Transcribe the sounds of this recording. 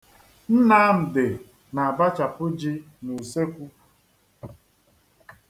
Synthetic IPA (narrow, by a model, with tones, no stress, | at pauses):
n̩˦na˦m̩˨de˨ | na˨a˨ba˦t͡ʃa˨pʊ˦d͡ʒi˦ | nu˨se˦kʷu˦